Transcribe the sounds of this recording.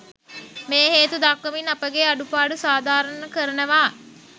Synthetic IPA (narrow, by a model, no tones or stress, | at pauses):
meːɦeːt̪ud̪akʋəminapəɡeaɖupaːɖusaːd̪aːɾənəkəɾənəʋaː